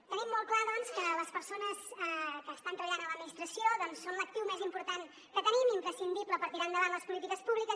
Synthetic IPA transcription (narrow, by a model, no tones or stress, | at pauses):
t̪ənimːɔlˠklaðɔnskələspəɾsonəsɛkəːst̪ant̪ɾəβəʎanələd̪minist̪ɾəsioðɔnsːonlək̚t̪iwmezimpuɾt̪an | kət̪ənimimpɾəsind̪ipləpəɾt̪iɾand̪əβanləspulit̪ikəspuβlikə